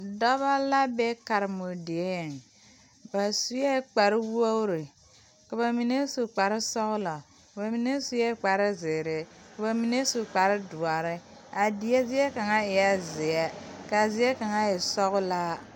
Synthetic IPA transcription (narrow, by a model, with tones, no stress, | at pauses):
dɔ˦βa˦la˦bɛ˦ka˨ɾmo˨di˨ɛ˦jɛ˨ŋ˨ | ba˨su˦jɛ˦k͡pa˨ɾɪ˦wo˦ɾi˨ | ka˨ba˨mi˨ne˦su˨k͡pa˨ɾɪ˦sɔ˦ɣʊ˦la˨ | kba˨mi˨ne˦su˨jɛ˦k͡pa˨ɾɪ˦zɪː˨ɾɪ˨ka˨ba˨mi˨ne˦su˨k͡pa˨ɾɪ˦dʊ˨a˨ɾɪ˦ | a˨di˨ɛ˦zɪ˦ɛ˦ka˨ŋa˦ɪ˨ja˦zɪ˨ɛ˦ka˨zɪ˦ɛ˦ka˨ŋa˦ɪ˨sɔ˦ɣʊ˦la˦